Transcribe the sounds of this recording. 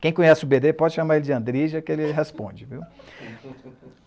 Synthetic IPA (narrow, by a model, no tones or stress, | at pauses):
kẽj̃kõɲɛsɪubed̪epɔd͡ʒɪʃamaɾelɪd͡ʒɪɐ̃nd̪ɾiʒɐkɪelɪɦespõ̰d͡ʒɪviw